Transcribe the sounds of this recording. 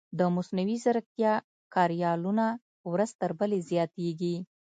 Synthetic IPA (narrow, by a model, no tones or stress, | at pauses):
d̪əmʊsnawizəɾk̚t̪jɑ | kɑɾjɑluna | wɾəzt̪əɾbəlezjɑt̪eɡi